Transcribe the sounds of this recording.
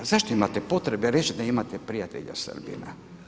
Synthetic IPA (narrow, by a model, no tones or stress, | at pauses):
zaʃt̪oimat̪epo̞t̪ɾebeɾet͡ʃid̪aimat̪epɾijat̪eʎa̰sə̰rbḭna̰